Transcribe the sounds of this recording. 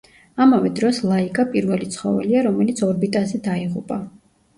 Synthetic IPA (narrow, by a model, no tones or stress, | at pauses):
amavɛd̪ɾɔslˠaikʼapʼiɾvɛlit̪sʰχɔ̰vɛ̰liaɾɔmɛlit̪sʰɔɾbit̪ʼazɛd̪aiʁupʼa